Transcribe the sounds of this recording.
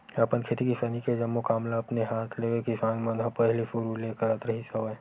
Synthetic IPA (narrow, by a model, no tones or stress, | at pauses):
ɐpənkʰeːt̪ikɪsaːniked͡ʒɐmːokaːmlaɐpneɦaːt̪ʰleːɡekɪsaːnmɐ̃nɦãpɐɦlifʊɾuleːkəɾət̪ɾɐɦisɐʋae